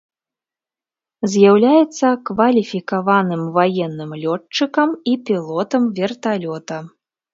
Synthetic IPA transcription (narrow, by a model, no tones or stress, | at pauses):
zʲjawlʲajɛt̪sːɐkvɐlʲifʲikavanɨmvajɛnːɨmlʲɔt͡ʂːɨkɐmipʲilˠɔt̪ɐmvʲɛrt̪alʲɔt̪ɐ